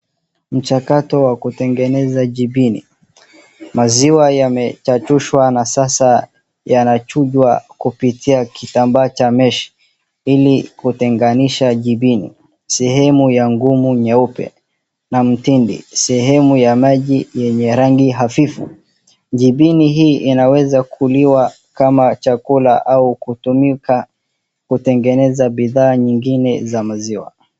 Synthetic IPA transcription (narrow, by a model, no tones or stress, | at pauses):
m̩t͡ʃakatɔwakutɛŋɡɛnɛzaʄiɓinḭ | maziwajamɛt͡ʃat͡ʃuʃwanasasa | janat͡ʃuʄwakupitʰiakitambaːt͡ʃamɛʃi̥ | ilikutɛŋɡaniʃaʄiɓinḭ | sɛhɛmujaŋɡumuɲaupɛ̰ | nam̩tindḭsɛɦɛmujamaʄijɛɲɛɾaŋɡiɦafifṵ | ʄiɓiniɦiːʔinawɛzakʰuliwa | kamat͡ʃakula̰ʔaukutumika | kutɛŋɡɛnɛzaɓiðaːɲiŋɡinɛzamaziwa̰